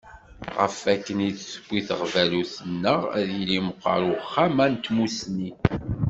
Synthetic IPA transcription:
ʁə̰fækːəniðsə̥b̥ʷːiθəʁvæluθənːəʁæ̰ðiliməqːɑ̰ɾuχːæmænt̪musni

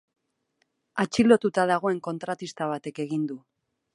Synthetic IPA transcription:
at͡ʃilo̞t̪ut̪að̞aɣ̞o̞e̞ŋko̞nt̪ɾat̪ist̪aβ̞at̪e̞ke̞ɣ̞ind̪u

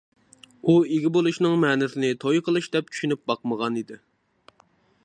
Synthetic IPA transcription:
ueɡʲɪbolˠuʃnɨŋmɛːnɪsɪnɪt̪ʰojqʰəlˠɨʃd̪ɛp̚t͡ʃʰy̥ʃynyp̚bɑqməʁɑnid̪ɪ

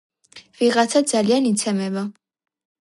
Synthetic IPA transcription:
viʁat̪sʰad̪zalianit̪sʰɛmɛva

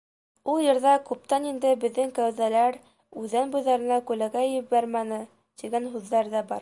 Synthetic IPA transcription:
ulˠjɤ̆ɾðɑkʉp̚t̪ɑnind̪ɘbɘ̆ðːɘŋkæwðælæɾ | ʉðænbujðɑɾɤ̆nɑkʉlæɡæɘbæɾmænɘ | t̪iɡænɦʉðːæɾðæbɑɾ

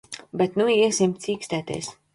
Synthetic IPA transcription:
bɛt̪nuisʲimsʲiːkst̪æːt̪ɛ̰s

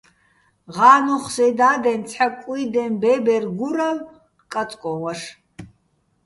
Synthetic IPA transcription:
ʁaːnuχsɛd̪aːd̪ɛnt͡sʰħakʼiid̪ɛnbɛbɛrɡuɾal | kʼat͡sʼkʷʼɔwɐʂ

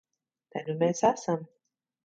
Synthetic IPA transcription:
t̪ajnumeːsasam

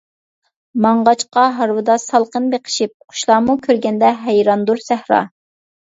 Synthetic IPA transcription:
mɑɴʁɑt͡ʃqɑɦɑɾwɨd̪ɑsɑlˠqənbeqʰə̥ʃip̚qʰʊ̥ʃlˠɑːmukʲʰøɾɡʲɛnd̪ɛɦæjɾɑnd̪uɾsæhɾɑ̰ː

